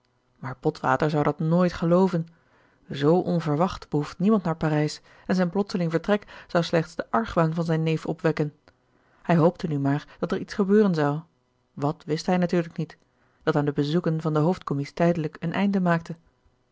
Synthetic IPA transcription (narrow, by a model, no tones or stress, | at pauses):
maːɹpɔtʋa̰ːtəɹzʌwdɑtnoːjtχəlowvən | zowʔɔnvəɹʋɑχtb̥əɦuftnimɑntnaːɹpaːrɛjs | ɛnzɛjnplɔtsəlɪŋvəɹtrɛkz̥ɑwslɛχtsdəʔɑɹχʋaːnvɑnzɛjnːejfɔ̰pʋɛkən | hɛjɦowp̚tənymaːɹd̥ɑtɛɹitsχəbøːrənzɑw | ʋɑtʋɪstɦɛjnatyːɹləknit | d̥ɑtaːndəbəzukənvɑndəɦowftkɔmɪsi̥tɛjdələkənʔɛ̰jndəmaːk̚tə